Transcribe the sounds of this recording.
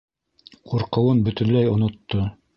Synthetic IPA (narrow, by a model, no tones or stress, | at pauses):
qʰuɾqɤ̆wɤnbɵ̆t̪ɵ̆nlæjŏnŏt̪ːo